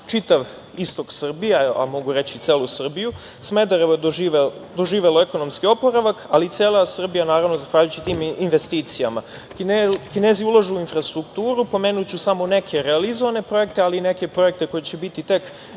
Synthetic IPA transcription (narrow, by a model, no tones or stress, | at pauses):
t͡ʃit̪aʋ | ist̪o̞ksr̩bijaa̰mo̞ɡuɾe̞t͡ɕit̪se̞ːlˠusr̩biju | sme̞d̪aɾeʋod̪oʒiʋed̪o̞ʒiːʋe̞loe̞ko̞no̞mskio̞po̞ɾaʋakaliːt̪se̞ːlˠasr̩bijanaːɾaʋnozaxʋaːʎujut͡ɕit̪iːminʋe̞st̪iːt̪sijama | kine̞ːziulˠaʒuuinfɾast̪ɾukt̪uːɾupo̞me̞ːnut͡ɕusamo̞ne̞kʰe̞ɾealizo̞ʋane̞pɾo̞je̞kt̪e̞aliːne̞kepɾo̞je̞k̚t̪e̞ko̞jet͡ɕebit̪it̪e̞k